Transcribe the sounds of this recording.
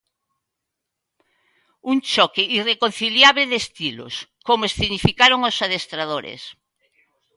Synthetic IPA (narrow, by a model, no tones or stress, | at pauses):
uŋt͡ʃɔkɪʔirekon̟θiljaβleðest̪ilo̰skomoesθinifikaɾoŋosaðest̪ɾaðoɾḛs